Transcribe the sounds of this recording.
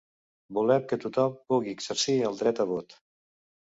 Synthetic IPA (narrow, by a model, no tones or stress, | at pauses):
bulɛmkət̪ut̪ɔmpuɣiəɡz̥əɾsiəlˠd̪ɾɛt̪əβ̞ot̪